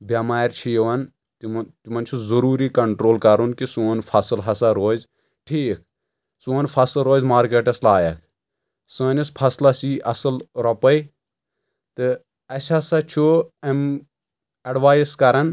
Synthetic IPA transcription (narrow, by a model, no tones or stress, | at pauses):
bʲɐmaːɾʲt͡ʃʰijʋɐn | t̪t̪umɐnt͡ʃʰuzɐɾuːɾikɐɳʈɾoːlkɐɾunkisuːnpʰɐsɨlɦɐsɐɾoːz | ʈʰiːk̚ | suːnpʰɐsɨlɾoːzmaːɾkeːʈɐslaːjɐk | səːnispʰɐslasiːʔɐsɨlɾɐpɐj | t̪ɨ | ɐsʲɐsɐt͡ʃʰuɐm | ɐɖʋaːjiskɐɾɐn